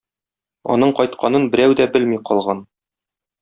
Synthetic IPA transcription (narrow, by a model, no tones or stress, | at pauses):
ɒ̰nɤɴqɒjt̪̚qʰɑnɤnbɘ̆ɾæwd̪æbɘlmiqɒlˠʁɑn